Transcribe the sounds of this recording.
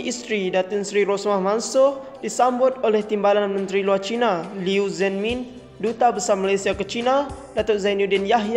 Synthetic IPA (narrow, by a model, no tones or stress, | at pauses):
ʔist̪ɾidat̪ʊnsɾiɾosmahmansʊh | disambʊt̪̚olɛht̪imbalanmə̃nt̪ɾiluart͡ʃinaliuzɛnmĩn | dut̪abəsarmalajsiakət͡ʃina | dat̪ʊʔzainjudɛnjaɦj